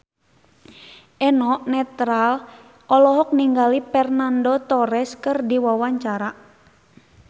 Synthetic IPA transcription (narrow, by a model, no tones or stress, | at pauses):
ʔɛnɔʔnɛt̪ɾal | ɔlɔɦɔk̚niŋɡalipɛrnandɔt̪ɔɾɛskɨrdiwawaɲt͡ʃaɾa